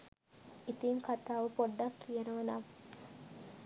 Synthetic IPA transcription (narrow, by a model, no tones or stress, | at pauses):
it̪iŋkat̪aːʋəpoɖːakːijənəʋənam